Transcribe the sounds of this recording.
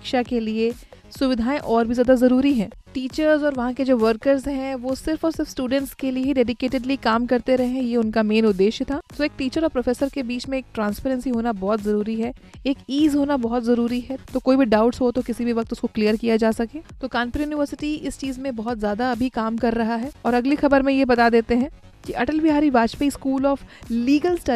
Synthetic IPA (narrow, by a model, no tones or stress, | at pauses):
kʃakelie | sʊʋɪd̪ʱaːẽʔɔːɾbʱizjaːd̪azɐɾuːɾiɦɛ̃ːʈiːt͡ʃəɾzɔːɾʋɐɦãked͡ʒoːʋəɾkəɾzɦɛ̃ʋosɪɾfɔːɾsɪɾfsʈuːɖə̃ɳʈskelieɦiɖeːɖɪkeːʈɪɖlikaːmkɐɾt̪eɾɐɦẽɦɛ̃jeʊnkameːnʊd̪ːeːʃjət̪ʰaːsoeːk̚ʈiːt͡ʃəɾɔːpɾɐfʰeːsəɾkebiːt͡ʃmẽeːk̚ʈɾãːnspeːɾə̃nsiɦoːnabɔːɔt̪zɐɾuːɾiɦɛ | eːkiːzɦoːnabɔɦʊt̪zɐɾuːɾiɦɛt̪okoːibʱiɖaːʊʈsɦot̪okɪsibʱiʋɐk̚t̪ʊskoklijəɾkijad͡ʒaːsɐkẽːt̪okãːnpɾjuːnɪʋəɾsɪʈiɪst͡ʃiːzmẽbɐɦʊt̪zjaːd̪aɐbʱikaːmkɐɾːɐɦaɦɛːɔːɾɐɡlixɐbəɾmẽjebɐt̪ad̪eːt̪eɦɛ̃ː | kiʔɐʈəlbɪɦaːɾibaːd͡ʒpiskuːlɔːfliːɡəlsʈɐ